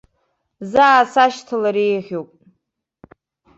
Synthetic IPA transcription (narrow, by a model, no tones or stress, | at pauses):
zaːsaʃtʰɨlaɾejʁʲowpʼ